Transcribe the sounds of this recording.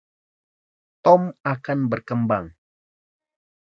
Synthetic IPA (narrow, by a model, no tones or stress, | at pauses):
t̪ɔmakanbərkəmbaŋ